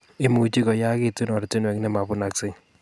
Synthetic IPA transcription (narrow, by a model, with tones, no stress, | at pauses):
ɪ˦mu˨t͡ʃi˦kɔ˨ja˦kɪ˦ti˦nɔ˨ɾtɪ˦nwɛ˨knɛ˦ma˨pʊ˦na˨ksɪ˦ɲ